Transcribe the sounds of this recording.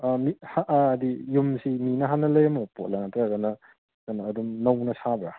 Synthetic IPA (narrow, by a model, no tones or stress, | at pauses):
ɐmihaʔːdijumsiminɐɦanɐlɐjɐmɐpot̚laŋatɾɐɡɐnɐ | kɐnɐːdumnɐwnɐsabɾa